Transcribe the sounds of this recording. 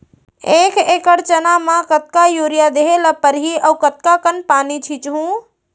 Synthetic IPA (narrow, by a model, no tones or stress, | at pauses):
ekʰekəɾt͡ʃənamãkət̪̚kajoɾijad̪eɦeləpəɾɦiəukət̪kakənpanit͡ʃʰit͡ʃɦũ